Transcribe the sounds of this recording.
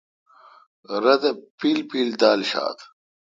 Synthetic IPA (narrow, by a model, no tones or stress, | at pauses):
ɾɐd̪ɐpiːlpiːld̪aːlɕa̰ːt̪